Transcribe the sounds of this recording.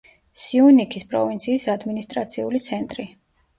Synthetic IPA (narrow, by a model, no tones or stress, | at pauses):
siunikʰispʼɾɔ̰vint̪sʰiːsad̪minist̪ʼɾat̪sʰiulit̪sʰɛnt̪ʼɾi